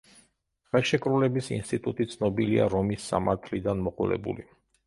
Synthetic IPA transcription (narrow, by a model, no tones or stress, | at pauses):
χɛlˠʃɛkʼɾulɛbisḭnst̪ʼit̪ʼut̪ʼit̪sʰnɔbilia̰ɾɔmisːa̰maɾt̪ʰlid̪anmɔqʼulɛ̰bṵli